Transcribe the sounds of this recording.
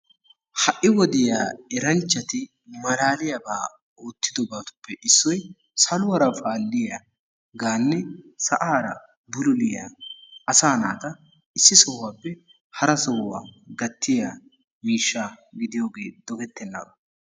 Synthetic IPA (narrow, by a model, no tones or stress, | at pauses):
hɐʔːɪwɔd̪ɪjaːɛɾɐnt͡ʃːɐt̪ɪ | mɐlaːlɪjɐbaː | oːt̪ːɪd̪ɔbaːt̪ʊ̥pːɛʔɪsːɔj | sɐlʊwɐɾɐfaːlːɪja | ɡaːnːɛsɐʔaːɾɐ̰ | bʊlʊlɪja̰ɐsaːna̰ːt̪ɐ | ɪsːɪsɔhʊwaːpːɛ | hɐɾɐsɔwːa̰ːɡɐt̪ːɪja | miːʃːaːɡɪd̪ɪjo̞ːɡe̞ːd̪̥ɔɡɛt̪ːɛnːɐ̰bɐ